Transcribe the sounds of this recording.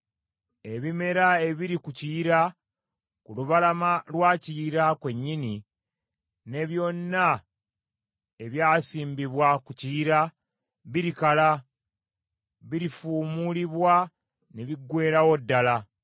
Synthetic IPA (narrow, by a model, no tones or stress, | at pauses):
e̞βime̞ɾae̞βiɾikuciɾa | kuluβalamalwaːciːɾakwe̞ɲːini | ne̞βjo̞nːa | e̞βjaːsiːmbiβwakuciːɾa | βiɾikala | βiɾifuːmuliβwa | neβiɡwe̞ːɾawo̞dːala